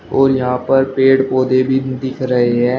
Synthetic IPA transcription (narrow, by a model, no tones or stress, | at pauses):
ɔːɾjəɦãːpəɾpeːɽpoːd̪eːbʱiːd̪ɪkʰɾəɦeɦɛː